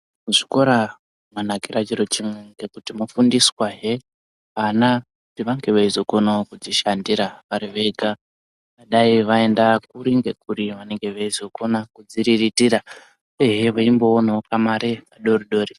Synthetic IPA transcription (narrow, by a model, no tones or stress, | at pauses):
muʐi̥ko̞ɾa | mwanakiɾat͡ʃiɾot͡ʃimweŋɡe̞kutimufundiswaɦe | anakutiʋaŋɡe̞ʋeizoko̞nakud͡ziʃandiɾaʋaɾiʋeɡʱa | ʋaɗaiʋae̞ndak̚uɾiŋɡe̞kuɾiʋane̞ŋɡe̞ʋeizo̞ko̞nakud͡ziɾiritiɾa | eɦeʋaimbo̞ːnaokamaɾekaɗoriɗo̞ːɾi